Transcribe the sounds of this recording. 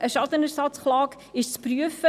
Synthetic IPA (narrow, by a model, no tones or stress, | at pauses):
ʔəʃɑt̪ənəɾsɑt͡sχlɑːk | ɪʃt͡spryəfə